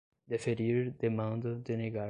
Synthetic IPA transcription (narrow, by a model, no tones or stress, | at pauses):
d̪efeɾiɾd̪emɐ̃nd̪ɐd̪ɪneɡa